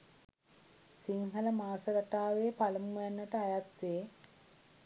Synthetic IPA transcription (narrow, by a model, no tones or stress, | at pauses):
siŋɦələmaːsəɾaʈaːʋeːpaləmujanːəʈəajat̪ʋeː